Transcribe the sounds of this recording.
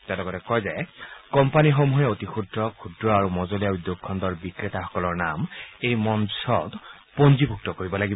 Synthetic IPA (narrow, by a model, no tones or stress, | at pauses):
tɛlɔɡɔtɛkɔjzɛkɔmpanixomuɦɛotixudɹɔkʰudɹɔaɹumɔzolijaudjokʰːɔndɔɹbikɹetaxɔ̥kɔlɔɹnamejmɔnsʰɔt | ponzibʱuk̚tɔkoɹibɔlaɡib